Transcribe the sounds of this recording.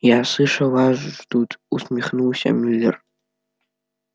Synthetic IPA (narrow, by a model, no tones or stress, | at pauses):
jaːsɨʂawaʒʷʒʷdutʼusmiχnɨwsa̰milʲːɪ̰r